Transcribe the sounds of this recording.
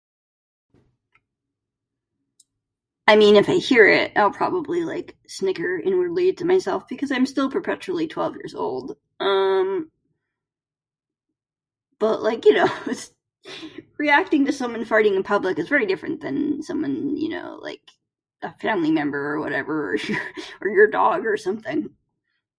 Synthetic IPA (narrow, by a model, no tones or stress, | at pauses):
aɪmĩnɨfaɪhiɹɪt̚a̰ɪlˠpʰɹ̥ɑ̰bəblila̰ɪk | snɪkə˞ɪ̃nwə˞lid̚tʰɨmaɪsɛlˠfb̥ɨkʰʌzãɪ̃mstɪlˠpʰə˞pʰɛt͡ʃʉl̩ˠitʰw̥ɛ̰lˠvjɪ̰ɹzo̰ʊlˠd̥ | ʌ̃m | b̥ʌʔlaɪkjɨnoʊɪts | ɹiæk̚tɪ̃ŋtɨsʌ̃mwʌ̃nfaɪɾɪ̃ŋɨ̃pʰʌbləkɨzvɛɹidɪfɹɨ̰̃nðɨ̃nsʌ̃mwʌ̃njɨ̰no̰ʊla̰ɪk | ʔəfæ̃mlimɛ̃mbə˞ːwʌ̰ɾɛ̰və˞ə̰˞jə˞ə˞jə˞dɔ̰ɡə˞sʌ̃mθɪ̃ŋ